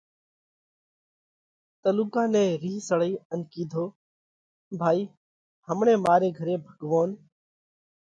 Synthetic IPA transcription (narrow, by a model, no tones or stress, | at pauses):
t̪əluːkãːnɛ̃ːɾiːɦsəɽəiːənkiːd̪ʱoː | bʱaːiː | həmɳẽːmaːɾeːɡʱəɾeːbʱəɡʋoːn